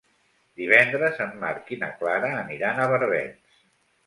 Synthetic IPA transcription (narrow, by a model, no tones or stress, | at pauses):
d̪iβ̞ɛnd̪ɾəzəmːaɾkinəklaɾəːniɾanəβəɾɛ̰ns